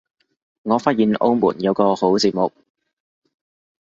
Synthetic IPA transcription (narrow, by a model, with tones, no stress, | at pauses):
ŋɔː˨˧faː˥t̚jiː˨nʔo̰˥wmṵː˨˩njɐ˨˧wkɔː˧ho˨˥wt͡siː˧t̚mʊ˨k̚